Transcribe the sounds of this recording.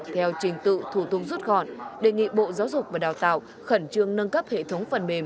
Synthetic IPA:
t̪ʰɛ˧wt͡ɕï˨˧˩ŋ̟t̪ɨ̰˧˨t̪ʰu˧˩t̪ʊ˧k͡p̚zu˦˥t̚ɣɔ̰˧˨nɗe˧˩ŋḭ˧˨ɓo̰˧˨zaː˨˦wzʊ˨˩k͡p̚vaː˨˩ɗaː˨˩wt̪a̰ː˧˨w | xə˧˩nt͡ɕɨ˧əŋnə˧nkə˦˥p̚hḛ˧˨t̪ʰə˨˦wŋ͡mfə˨˩nme˨˩m

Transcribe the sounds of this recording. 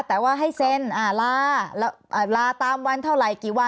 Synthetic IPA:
t̪ɛː˨˩waː˥˩ɦa˥˩jse˧˥nʔaː˧˩laː˧lɛː˦˥wʔaː˨˩laː˧t̪aː˧mwa˧nt̪ʰa˥˩wɾa˨˩jkiː˨˩wa˧˥˩

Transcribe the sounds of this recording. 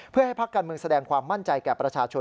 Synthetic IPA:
pʰɯ˥˩ɐha˥˩jpʰa˦˥kːaː˧nmɯ˧əŋsa˧dɛː˧ŋkʰwaː˧mːa˥˩nt͡ɕa˧jkɛː˨˩pɾa˧t͡ɕʰaː˧t͡ɕʰo˧

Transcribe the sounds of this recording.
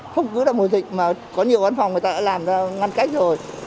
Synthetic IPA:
xə˧wŋ͡mkɨ˨˦laː˨˧˩mo˨˩zï˨˩k̟̚maː˨˩kɔ˨˦ɲi˨˩əwva˧nfwŋ͡mŋɨ˨˩jt̪aː˧ɗa̰ː˧˥laː˨˩mzaː˧ŋa˧nka˦˥jk̟̚zo˨˩j

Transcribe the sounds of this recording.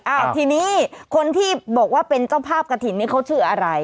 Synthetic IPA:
ʔaː˧˩wt̪ʰiː˧niː˦˥kʰo˧nt̪ʰiː˥˩bɔː˨˩k̚waː˥˩pe˧nt͡ɕa˥˩wpʰaː˥˩p̚ka˧t̪ʰi˨˩˦nːt̪iː˥˩kʰa˦˥wt͡ɕʰɯː˧˩ɐʔa˧ɾa˧j

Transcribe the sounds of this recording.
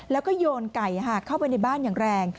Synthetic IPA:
lɛː˦˥wkɔː˥˩joː˧nka˨˩jɦaː˧˩kʰa˥˩wpa˧jna˧jbaː˥˩njaː˨˩ŋɾɛː˧ŋ

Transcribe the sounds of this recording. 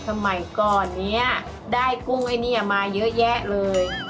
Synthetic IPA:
sʰa˧ma˩˦jkɔː˨˩nːi˦˥ɐ | daː˥˩jku˧ŋʔa˧jniː˦˥ʔa˨˩maː˧jɤ˦˥ʔjɛ˦˥ʔlɤː˧j

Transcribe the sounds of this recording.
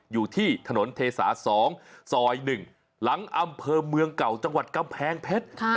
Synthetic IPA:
juː˨˩t̪ʰiː˥˩t̪ʰa˧no˩˦nt̪ʰeː˧sa̰ː˩˦˥sɔː˩˦ŋsɔː˨˩jnɯ˨˩ŋ | la˩˦ŋʔa˧mpʰɤː˧mɯ˧əŋka˨˩wt͡ɕa˧ŋwa˨˩t̪̚ka˧mpʰɛː˨˧ŋpʰe˦˥t̪̚kʰ

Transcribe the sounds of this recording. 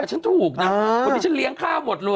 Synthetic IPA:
t͡ɕʰa˦˥nt̪ʰuː˨˩k̚naː˧˦˩t͡ɕa˦˥nli˦˥əŋkʰaː˥˩bo˨˩t̪̚luː˧

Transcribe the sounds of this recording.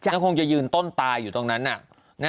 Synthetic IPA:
t͡ɕa˨˧˥kʰo˧ŋt͡ɕa˨jɯː˧nt̪o˥˩nt̪aː˧jːuː˨˩t̪o˧ŋna˦˥nʔa˨˩ʔ | na˥

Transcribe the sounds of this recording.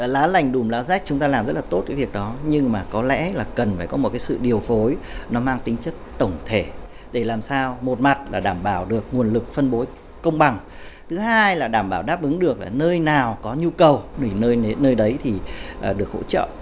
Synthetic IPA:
laː˨˦la˨˧˩jŋ̟ɗu˨˩mlaː˨˦za˦˥jk̟̚t͡ɕʊ˨˦ŋ͡mt̪aː˧laː˨˩mzə˦˥laː˨t̪o˦˥t̚kaː˨˦jvi˨˩ək̚ɗɔ˨˦ɲɨ˧ŋmaː˨˩kɔ˨˦lɛ̰˧˥laː˨˩kə˨˩nfaː˧˩jkɔ˨˦o˨˩t̚kaː˨˦sɨ̰˧˨ɗi˨˩əwfo˨˦jnɔ˨˦maː˧ŋt̪ï˨˦ŋ̟t͡ɕə˦˥t̚t̪ə˧˩wŋ͡mt̪ʰe˧˩ | ɗe˧˩laː˨˩msaː˧wmo˨˩t̚ma˨˩t̚laː˨˩ɗaː˧˩mɓaː˧˩wɗɨ˨˩ək̚ŋu˨˩ənlɨ˨˩k̚fə˧nɓo˨˦j | kə˧wŋ͡mɓa˨˩ŋ | t̪ʰɨ˨˦haː˧jlaː˨˩ɗaː˧˩mɓaː˧˩wɗaː˦˥p̚ʔɨ˨˦ŋɗɨ˨˩ək̚laː˨˩nəː˧jnaː˨˩wkɔ˨˦ɲu˧kə˨˩wi˧˩nəː˧jnəː˧jɗə˨˦jt̪ʰi˨˩˨ɗɨ˨˩ək̚ho̰˧˥t͡ɕə̰ː˧˨

